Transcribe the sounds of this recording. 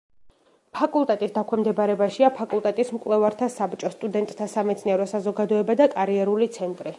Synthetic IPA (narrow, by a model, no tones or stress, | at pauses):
pʰakʼulˠt̪ʼɛt̪ʼisd̪akʰwɛmd̪ɛbaɾɛbaʃiapʰakʼulˠt̪ʼɛt̪ʼismkʼlɛvaɾt̪ʰasabt͡ʃʼɔst̪ʼud̪ɛnt̪ʼt̪ʰasamɛt̪sʰniɛɾɔsazɔɡad̪ɔɛbad̪akʼaɾiɛɾulit̪sʰɛnt̪ʼɾi